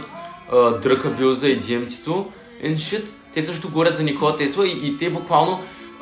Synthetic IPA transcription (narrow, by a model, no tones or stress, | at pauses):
əd̪ɾɤkɐbʲuzəid̪ʲiɛmt̪i̥t̪o | ɛnʃət̪ːɛsɤʃt̪ot̪oɡovɔɾʲət̪zɐnʲɛkovɐt̪ɛst̪vɐiːt̪ɛbʊkvalˠno